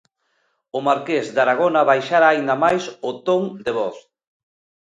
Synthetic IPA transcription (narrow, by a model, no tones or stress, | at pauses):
ʊmaɾkezd̪aɾaɣ̞onaβajʃaɾaːind̪amajsʊt̪oŋd̪eβɔθ